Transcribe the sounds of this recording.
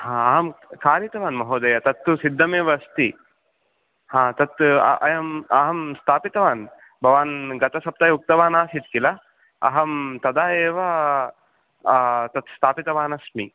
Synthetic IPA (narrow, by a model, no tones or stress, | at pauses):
haːɐɦɐmkaːɾjit̪ɐʋaːnmɐɦoːd̪ɐjɐt̪ɐt̪ːusid̪ʱːɐmeːʋɐst̪i | hãːt̪ɐt̪ɐ̰ʔɐ̰jɐmɐɦɐmst̪ʰaːpit̪ɐʋaːn | bʱɐʋaːnɡɐt̪ɐsɐp̚t̪ɐːjuk̚t̪ɐʋaːnaːsit̪kilɐ | ɐ̰ɦɐmt̪ɐd̪aːjeːʋɐ | t̪ɐt̪st̪ʰaːpit̪ɐʋaːnɐsmi